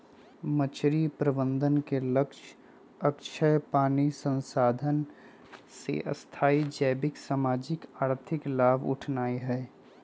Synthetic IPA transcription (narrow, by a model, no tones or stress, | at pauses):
mət͡ʃʰɾipɾəbə̃nd̪ənkeləkʃ | ɐkʃʰəjpaːnisə̃nsaːd̪ʱən | sḛʔɐ̰st̪ʰaːid͡ʒɛːbɪksaːmaːd͡ʒɪkaːɾt̪ʰɪklaːbʊ̰ʈʰnaːiɦɛː